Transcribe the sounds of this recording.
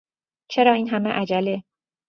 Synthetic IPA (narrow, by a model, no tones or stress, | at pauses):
t͡ʃʰe̞ɾɒːiːnɦæmeʔæd͡ʒæle